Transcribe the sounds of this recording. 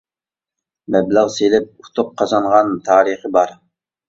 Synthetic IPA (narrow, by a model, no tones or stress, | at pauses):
mɛbləʁselɪp̚ut̪ʰʊqʰːɑzɑɴʁɑnt̪ʰɑːɾəχəbɑɾ